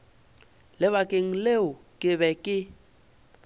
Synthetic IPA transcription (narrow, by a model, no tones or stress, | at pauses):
lɪβakʼeŋ̩leʊkʼɪβɛkʼɪ